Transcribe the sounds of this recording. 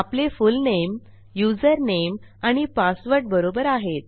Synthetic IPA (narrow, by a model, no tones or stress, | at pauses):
aplefulnem | jud͡zəɾnem | aɽ̃ipasʋəɾʈ̚bəɾobəɾaɦet̪̚